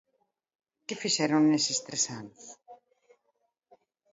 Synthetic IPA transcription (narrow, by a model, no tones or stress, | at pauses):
kɪfiʃɛɾoŋːesest̪ɾesanos